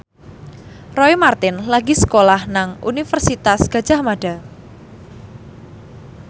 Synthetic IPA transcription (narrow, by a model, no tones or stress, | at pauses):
rɔimart̪ɪnlaɡisə̥kolahnaŋṵnifərsit̪asɡ̥a̤̥d͡ʒ̥a̤hmaɖ̥a̤